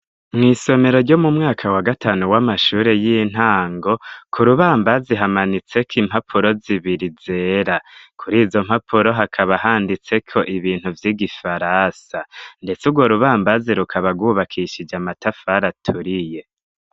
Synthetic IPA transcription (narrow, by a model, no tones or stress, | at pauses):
mŋiːso̞me̞ɾo̞ɾɟo̞mumŋaːkʰawaɡatʰaːnuwamaʃuːɾe̞jin̥haːŋɡo̞kʰuɾuβaːmbaziɦamanit͡se̞kiːmhapʰuɾo̞ziβiɾize̞ːɾakʰuɾiːzo̞mhapʰuɾo̞ɦakʰaβaɦaːndit͡se̞kʰo̞ʔiβiːnhuvjiɡifaɾasande̞t͡suɡwo̞ɾuβaːmbaziɾukʰaβaɡwuβakʰiʃid͡ʒamatafaɾatʰuɾije̞